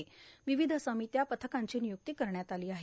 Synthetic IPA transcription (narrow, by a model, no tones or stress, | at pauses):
eʋiʋid̪ʱəsamiːt̪japət̪ʰəkaɲt͡ɕiːnijuk̚t̪iːkəɾɳjat̪aliːaɦe